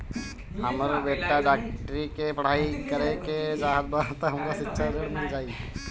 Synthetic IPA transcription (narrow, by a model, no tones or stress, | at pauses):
ɦəməɾbeʈːaɖakʈəɾikepəɽ̤aːikəɾeked͡ʒaɦət̪̚bat̪aɦəmɾasitːʃʰaɾəɽmɪld͡ʒaːi